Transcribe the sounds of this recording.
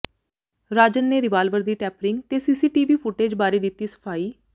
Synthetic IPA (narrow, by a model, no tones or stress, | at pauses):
ɾaːd͡ʒənːeːɾɪʋaːlʋəɾd̪iːʈɛːpɾɪŋɡt̪eːsiːsiːʈiːʋiːpʰʊʈeːd͡ʒbaːɾeːd̪ɪt̪ːiːsə̥pʰaːiː